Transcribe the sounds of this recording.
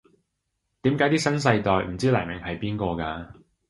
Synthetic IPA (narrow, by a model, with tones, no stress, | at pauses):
t̪iː˨˥mkaː˨˥jt̪iː˥sɐ˥nsɐ˧jt̪ɔː˨jm̩˨˩t͡siː˥laː˨˩jmɪ˨ŋhɐ˨˩jpiː˥nkɔː˧kaː˧